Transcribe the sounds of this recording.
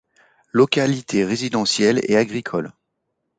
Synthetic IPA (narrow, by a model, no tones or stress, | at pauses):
lɔkʲalit̪ʰeʁezid̪ɑ̃sjɛlḛaɡʁikʰɔl